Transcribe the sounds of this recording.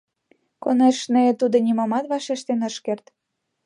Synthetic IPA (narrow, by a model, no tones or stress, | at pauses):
koneʃnet̪ud̪ŏnʲimɑmɑt̪βɑʃeʃt̪enə̆ʃkert̪